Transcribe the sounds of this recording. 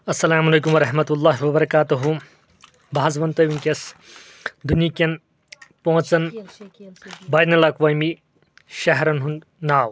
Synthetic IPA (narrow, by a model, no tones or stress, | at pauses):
ɐsːɐlaːmɐlɐjkumwɐɾɐɦmɐt̪ulːaːɦiwɐbɐɾɐkaːt̪uɦu | baːɐzʋɐnt̪ɐʋinkʲɐs | d̪unjikʲɐn | põɦɐ̃t͡sɐn | bɐjnɐlɐkʋɐjmi | ʃɐɦɾɐnɦund̪ | naːw